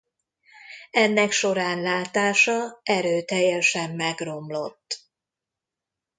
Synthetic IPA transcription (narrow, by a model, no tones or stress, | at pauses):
ɛnːɛkʃo̞ɾaːnlaːt̪aːʃɒɛɾøːt̪ɛjːɛʃɛmːɛɡro̞mlo̞t̪ː